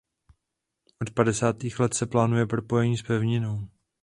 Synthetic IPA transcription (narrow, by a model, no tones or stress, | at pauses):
ʔo̞t̪padɛsaːt̪iːxlɛt̪sɛplaːnujɛpɾo̞po̞jɛɲiːspɛvɲɪno̞w